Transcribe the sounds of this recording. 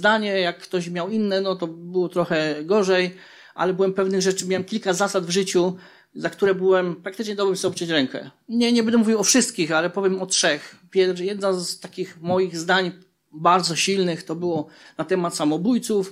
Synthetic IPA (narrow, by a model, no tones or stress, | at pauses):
zd̪aɲɛjakːt̪ɔɕmʲjawinːɛnɔt̪ɔbɘwɔt̪ɾɔxɛɡɔʐɛj | ʔa̰lɛbɘwɛmpɛvnɘɣʐɛt͡ʂɘmʲawɛmkʲilkazasad̪vʐɘt͡ɕu | zakt̪uɾɛbɘwɛmpɾak̚t̪ɘt͡ʂɲɛd̪ɔbɛmsɛɔp̚t͡ʂɛt͡ɕɾɛŋkɛ̰ɲɛɲɛbɛnd̪ɛmuvʲiwɔfʂɘst̪kʲixalɛpɔvʲjɛmɔtʂɛxpʲjɛjɛd̪nazt̪akʲixmɔjiɣzd̪aɲ | baɾd̪zɔɕilnɘxt̪ɔbɘwɔnat̪ɛmat̪samɔbujt̪suf